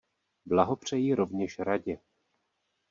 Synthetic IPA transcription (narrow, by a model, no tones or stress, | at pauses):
blaɦopr̝̥ɛjiɾo̞vɲɛʃɾaɟɛ